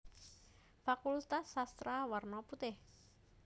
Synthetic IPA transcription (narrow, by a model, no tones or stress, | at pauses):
fakult̪asːast̪ɾawarnɔput̪ɪh